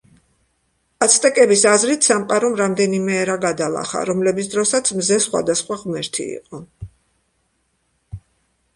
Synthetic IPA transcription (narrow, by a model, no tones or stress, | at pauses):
at̪sʰt̪ʼɛkʼɛbisazɾit̪ʰsamqʼaɾɔmɾamd̪ɛnimɛːɾaɡad̪alˠa̰χa̰ɾɔmlɛbit̪sʰd̪ɾɔsat̪sʰmzɛsχwa̰d̪asχwaʁmɛɾt̪ʰḭḭqʼɔ